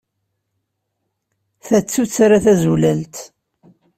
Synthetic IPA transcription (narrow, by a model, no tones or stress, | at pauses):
θæt͡sːut͡sːaɾaθæzulælt̪